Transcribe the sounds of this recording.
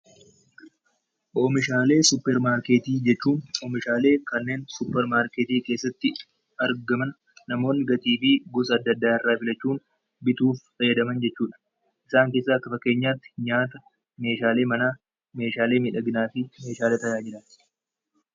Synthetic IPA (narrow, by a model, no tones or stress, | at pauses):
ʔoːmɪʃaːle̞ːsʊpːɛɾmaːɾkeːt̪iːd͡ʒɛt͡ʃːuːnoːmɪʃaːle̞ːkɐnːe̞ːnsʊpːɛɾmaːɾkeːt̪iːke̞ːsːɐt̪ːɪ | ɐɾɡɐmɐnː | ɐmo̞ːnːɪɡɐt̪iːfɪɡʊsɐːd̪ːɐd̪ːaːɪrːaːfɪlɐt͡ʃːuːn | bɪt̪uːffɐjɐd̪ɐmɐnd͡ʒɛt͡ʃːuːᶑɐ̥ | ʔɪsaːŋkeːsːɐɐkːɐfɐkːe̞ːɲːaːt̪ːɪ̥ɲaːt̪ɐ | me̞ːʃaːle̞ːmɐnaː | me̞ːʃaːle̞ːmɪᶑɐɡɪnaːfɪme̞ːʃaːleːt̪ɐjaːd͡ʒɪɾɐn